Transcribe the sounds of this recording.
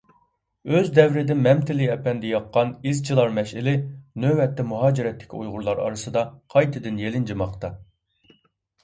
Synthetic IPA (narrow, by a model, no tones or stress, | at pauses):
øzd̪ɛvɾɪd̪ɪnmɛmt̪ʰɪliɛpɛnd̪ɛjɑqːɑnizt͡ʃʰilˠɑɾmɛʃɪlɪnøwɛt̪ʰːɛmuɦɑːd͡ʒiɾɛt̪ʰːɪ̥kʲʰṵjʁʊɾlˠɑɾɑ̰ɾɨsɨd̪ɑqʰɑjt̪ʰɨd̪ɪnjelɪnd͡ʒɨmɑqt̪ɑ